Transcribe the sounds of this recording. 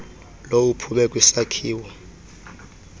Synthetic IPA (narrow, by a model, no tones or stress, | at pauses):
loupʰuɓɛkʼwisakʰiːwɛ